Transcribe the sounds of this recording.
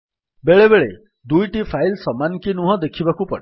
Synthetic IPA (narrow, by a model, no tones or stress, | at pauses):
beɭebeɭe | d̪ujʈipʰajlsɔmankinuɦɔ̃d̪ekʰibakupɔɽe